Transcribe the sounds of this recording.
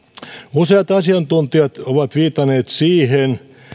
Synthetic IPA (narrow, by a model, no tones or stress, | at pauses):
useɑt̪ɑsiɑnt̪unt̪iɑt̪oʋɑt̪ʋiːt̪ɑneːt̪siːhen